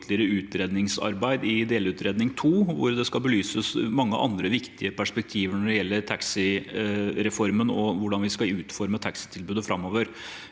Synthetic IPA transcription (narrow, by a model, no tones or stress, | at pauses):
t̪ʰlɪəɾəʉːt̪ɾeːd̪nɪŋsɑ̰ɾbæɪd̪ɪd̪eːlʉːt̪ɾeːd̪nɪŋt̪ʰuːʋʊ̰ɾd̪ɛskɑlbəlyːsəsmɑŋːə̰ʔɑ̰nd̪ɾəʋɪkt̪ɪəpʰæʂpɛk̚t̪ʰiːʋəɳɔɖɛjɛlːəɾt̪ʰɑksɪ | ɾɛfɔɾmənɔʋʊɖɑnʋɪskɑʉːt̪fɔɾmət̪ʰɑksɪ̥t̪ʰɪlbʉːd̪əfɾɑmːoːʋəɾ